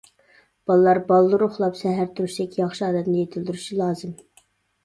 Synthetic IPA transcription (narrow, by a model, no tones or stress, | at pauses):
b̥ɑlˠɨlˠɑɾbɑlˠːɨɾoχlˠɑpsɛɦæɾt̪ʰuɾuʃsɛkʲjɑχʃiɑːd̪ɛt̪nɪjet̪ʰɪld̪yɾyʃilˠɑːzɨm